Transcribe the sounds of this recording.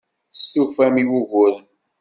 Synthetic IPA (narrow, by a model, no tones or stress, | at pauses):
stufæmiwuɣʊɾən